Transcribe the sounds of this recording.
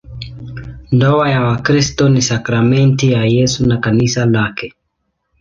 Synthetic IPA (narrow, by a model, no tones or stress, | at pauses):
ndɔajawakɾistɔnisakɾamɛntijajɛsunakanisalakɛ